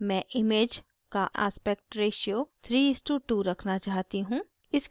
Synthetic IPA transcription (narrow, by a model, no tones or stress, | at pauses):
mɛ̃ːʔɪmeːd͡ʒ | kaʔa̰ːspɛk̚ʈɾeːʃiot̪ʰɾiːɪsʈuʈuɾɐkʰnat͡ʃaːɦt̪iɦũː | ɪs